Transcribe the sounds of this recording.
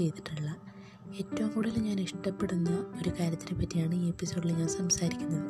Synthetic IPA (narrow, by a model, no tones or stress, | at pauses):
e̞jt̪i̥ʈːiɭːɐ | e̞ːtːɐʋɐmkuːɽɐleɲaːniʂʈɐpːe̞ɽunːɐo̞ɾukaːɾjɐt̪ːinepːɐtːijaːɳɨiːepːiso̞ːɽileɲaːnsɐmsaːɾikʲːunːɐðɨ